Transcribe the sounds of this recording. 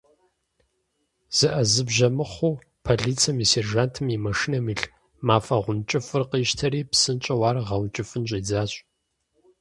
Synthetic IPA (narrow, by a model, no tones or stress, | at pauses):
z̥ɨʔɐzɨbʒɐmɨχʷuː | pʰɐɮiːt͡sʰɐmiserʒaːntʰɨmimɐʃɪnɐmiːɬ | maːfɐʁʷʊnt͡ʃʼɪfɨrqiːʃtʰɐɾiːpsɨnt͡ʃʼɐwaːrʁɐwnt͡ʃʼɪfɨnɕʼiːd͡zaːɕʼ